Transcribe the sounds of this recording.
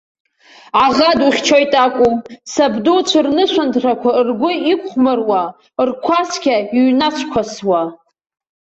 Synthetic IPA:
aʁaduχʲt͡ʃʰojtʼakʷʼusabdut͡ʃʷʰrnɨʃʷantʰrakʷʰarɡʷʊikʷʼχmɨrwa | rkʷʰaskʲaiɥnat͡ʃʷʰkʷʰaswa

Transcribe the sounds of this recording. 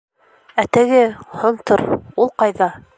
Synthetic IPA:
æt̪ɘ̆ɡɘhŏɴt̪oɾulˠqɑjðɑ

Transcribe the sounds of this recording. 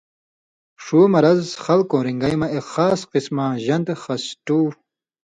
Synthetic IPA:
ʂumɐɾɐzxɐlkõːɾiŋɡɐjmaexaːsqismaʑɐnt̪exɐsʈuː

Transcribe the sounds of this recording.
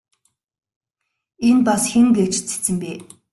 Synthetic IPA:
enpasxeŋɡet͡ɕt͡se̥t͡sɘ̆mpeː

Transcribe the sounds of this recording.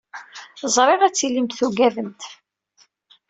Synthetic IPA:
zˤɾˤeʁæt͡sːilimt̪θuɡævənt̪

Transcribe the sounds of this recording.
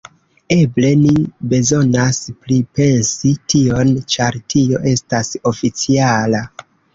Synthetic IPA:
e̞ble̞nibe̞zo̞nasplipe̞nsitʰio̞nt͡ʃaɾtʰio̞ʔe̞staso̞fit͡siala

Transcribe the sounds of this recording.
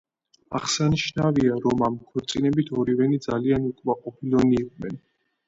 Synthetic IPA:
a̰χsaniʃnaviaɾɔmamkʰwɛɾt̪sʼinɛbit̪ʰɔɾivɛnid̪zalianukʼmaqʼɔpʰilɔniːqʼnɛn

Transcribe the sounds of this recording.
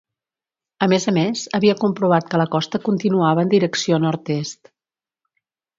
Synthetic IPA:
əmezəmezəβiəkumpɾuβ̞at̪̚kələkɔst̪əkunt̪inuaβəːnd̪iɾəksionɔɾt̪est̪

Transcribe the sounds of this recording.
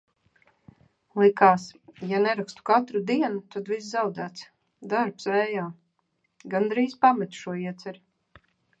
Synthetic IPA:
lˠikaːsjanɛɾakst̪u̥kat̪ɾud̪iɛnut̪ad̪vis̬zawd̪æːt̪s | d̪aɾpsvɛːjaː | ɡand̪ɾiːz̥pamɛt̪ʃuɔiɛt̪sʲɛɾ

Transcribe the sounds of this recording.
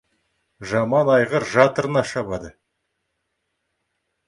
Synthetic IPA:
ʒɑmɑnɑjʁəɾʒɑt̪əɾənɑʃɑbɑd̪ə

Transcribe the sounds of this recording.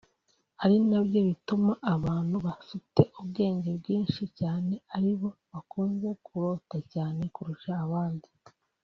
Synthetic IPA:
haɾinabjo̞βitumaʔːβaːn̥huβafite̞ʔubɡe̞ːɲɟe̞bɡiːnʃicaːne̞aɾiβo̞βakuːnze̞kʰuɾo̞ːtacaːne̞kuɾuʃaːβaːndi

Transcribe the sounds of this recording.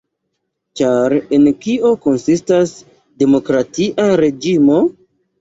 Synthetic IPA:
t͡ʃaɾe̞nkio̞ko̞nsistas | de̞mo̞kɾatiʔaɾe̞d͡ʒimo̞

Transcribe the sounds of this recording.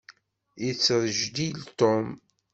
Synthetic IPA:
it͡sːɾˤʒd̪ilt̪om

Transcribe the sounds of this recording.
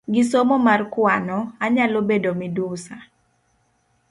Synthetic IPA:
ɡɪsomomarkwanɔaɲalobedomɪdusa

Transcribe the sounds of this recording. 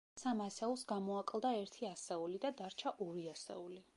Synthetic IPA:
samasɛulˠsɡamɔakʼlˠd̪aɛɾt̪ʰiasɛulid̪ad̪aɾt͡ʃʰaʔɔɾiasɛ̰uli

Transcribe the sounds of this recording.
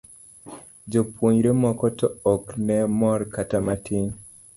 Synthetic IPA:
d͡ʒopwoɲɾemɔkɔtɔɔknɛmɔɾkatamatʰiɲ

